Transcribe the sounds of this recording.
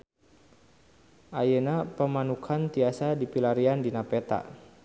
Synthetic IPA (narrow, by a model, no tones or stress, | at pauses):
ʔajenapəmanukʰant̪iasadipilaɾiandinapɛt̪a̰ʔ